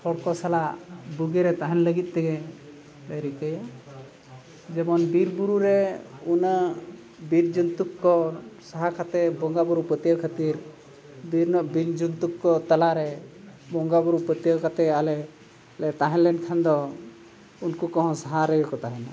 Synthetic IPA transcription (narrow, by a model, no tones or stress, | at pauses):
sʰɔɽkɔsalabuɡɛɾɛt̪aɦɛnləɡit̪̚ˀt̪ɛɡɛ | taɾikəja | d͡ʒɛbɔnbiɾbuɾuɾɛuna | biɾd͡ʒunt̪ukːɔsaɦakʰat̪ɛbɔŋɡabɔɾupət̪ijakʰət̪iɾ | biɾnɔʔbiɾd͡ʒunt̪ukːɔt̪alaɾɛ | bɔŋɡabɔɾupət̪ijakat̪ɛalɛ | lɛt̪aɦɛ̃lɛnkʰand̪ɔ | unkukɔ̃ɦɔ̃saɦaɾəɡɛkɔt̪aɦɛna